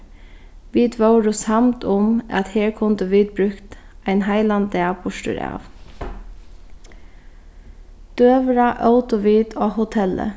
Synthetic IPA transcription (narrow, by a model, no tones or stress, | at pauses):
ʋiːd̪ʋœʊɾʊshamt̪ʊma̰t̪heːɹkʰʊnd̪əʋiːd̪̚bɾʉkt̪aɪnɦaɪland̪abʊʃtə̰ɹɑ̰ːʋ | d̪̥øːʋɾaʔɑʊt̪ʊʋiːd̪oːhʊt̪ʰɛlə̰